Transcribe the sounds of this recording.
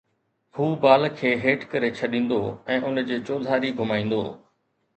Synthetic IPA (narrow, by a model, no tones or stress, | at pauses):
huːbaːlkʰeːɦeːʈkɐɾet͡ɕʰɐɗĩːn̆d̪oɛ̃ːʔʊnd͡ʑeːt͡ɕoːd̪ʱaːɾiɡʱʊmaːĩːn̆d̪o̰ː